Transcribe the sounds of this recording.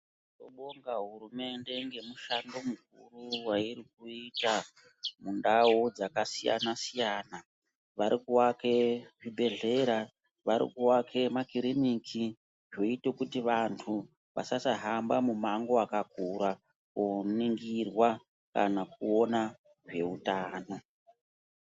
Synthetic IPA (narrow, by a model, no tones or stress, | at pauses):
to̰ɓoŋɡaɦurume̞nde̞ŋɡe̞muʃando̞muk̚uruwaiɾik̚uita | mundawod͡zakasija̰nasijaːna | ʋaɾikuwake̞ʐibʱe̞ɮe̞ɾa | ʋaɾḭkuwakʰe̞makiɾinikʰi | ʐoite̞kutiʋantʰu | ʋa̰sasaɦambamumaŋɡo̞akakuɾa | koniŋɡirwa | ka̰nak̚uona | ʐe̞utaːno̞